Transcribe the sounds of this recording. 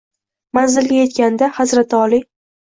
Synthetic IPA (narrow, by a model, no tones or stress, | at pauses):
manzɪlːɪje̞t̪kʲand̪ahazɾat̪ʰɪɒli